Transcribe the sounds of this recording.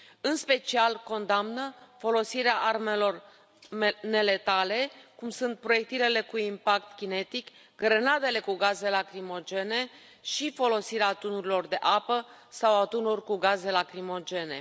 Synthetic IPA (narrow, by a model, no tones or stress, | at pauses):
ɨnspe̞t͡ʃialko̞nd̪amnəfo̞lo̞siɾeaʔarme̞lo̞r | ne̞let̪ale̞kumsunt̪̚pɾo̞je̞k̚t̪ilele̞kuimpakt̪kʲine̞t̪ik | ɡɾənad̪e̞le̞kuɡaze̞lakɾimo̞d͡ʒe̞ne̞ | ʃifo̞lo̞siɾeat̪unuɾilo̞rd̪e̞ʔapəsawat̪unurkuɡaze̞lakɾimo̞d͡ʒe̞ne̞̰